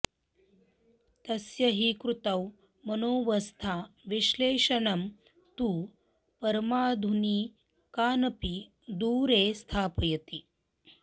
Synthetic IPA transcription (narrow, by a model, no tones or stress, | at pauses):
t̪ɐsjɐɦikɾut̪ɐw | mɐnoːʋɐst̪ʰaːʋiʃleːʂɐnɐm | t̪uː | pɐɾmaːd̪ʱuniː | kaːnɐpi | d̪uːɾeːst̪ʰaːpɐjɐt̪i